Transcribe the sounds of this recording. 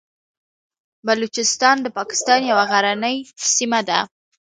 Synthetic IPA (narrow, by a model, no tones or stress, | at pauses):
balut͡ʃɪst̪ɑnd̪əpɑkɪ̥st̪ɑnjawaɣaɾanəjsimad̪a̰